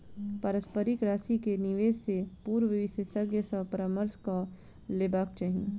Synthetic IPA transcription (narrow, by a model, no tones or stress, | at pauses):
pəɾəspəɾikɾaːsikeniʋeːssepuːɾʋɪʋɪsjəsəɡjəsəpəɾaməɾska | leːbaːk̚t͡ʃaɦĩ